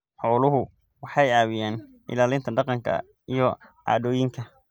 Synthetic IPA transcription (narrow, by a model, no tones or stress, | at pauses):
ħɔːlʊɦʊ | wɑħɑjaːwɪjaːn | ʔɪ̰laːlɪnt̪ʰɐɖɑqɑŋkʰɐ̰ | ijɔ | a̰ːðɔːjɪŋkʰɐ